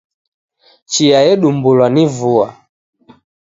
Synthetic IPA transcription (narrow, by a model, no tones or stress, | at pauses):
t͡ʃiajɛɗumbulwanivua